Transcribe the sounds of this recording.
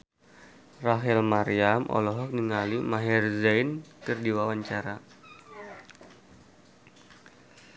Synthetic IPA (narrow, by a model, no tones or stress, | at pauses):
raɦɛlmaɾiamʔɔ̰lɔɦɔk̚niŋalimaɦɛrzajnkərdiwawaɲt͡ʃaɾa